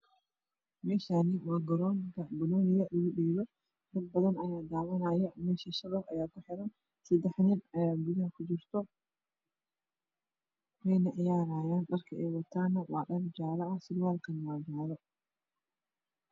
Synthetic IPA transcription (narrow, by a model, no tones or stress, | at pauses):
mɛːʃaːnɪwɑːɡɐɾɔːŋkʰɐbʊlɔːnɪjɐlɐɣʊɗɛːβɔ | d̪ɐd̪̚bɐðɐnɐjaːd̪aːwɐnɐːjɐmɛːʃɐʃɐβɔfɐjaːkʰʊħɪɾɐn | sɐd̪ɛħnɪnɐjaːɡʊðɪɐkʰʊt͡ʃɪrt̪ʰɔ | wɛjnɐʕɪjaːɾaːjaːnɖɐrkʰɐɛːwɐt̪ʰaːnːɐwɑːɗɐrd͡ʒaːlɐɐsɪlwaːlkʰɐnwaːɡaːðɔ